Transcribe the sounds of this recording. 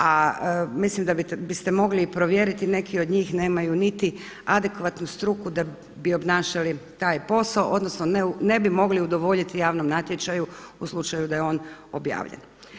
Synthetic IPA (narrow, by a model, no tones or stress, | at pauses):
amislimd̪abibist̪emo̞ɡlipɾo̞ʋje̞ɾit̪ine̞kʰio̞d̪ɲiːxne̞ːmajunit̪i | ad̪e̞kʋat̪nust̪ɾukud̪a | bio̞bnaːʃalit̪aːjpo̞saoʔo̞d̪no̞snonene̞bimo̞ɡliud̪oʋo̞ʎit̪ijaːʋnomnat̪je̞t͡ʃajuuslˠut͡ʃajud̪aje̞o̞ːno̞bja̰ːʋʎḛn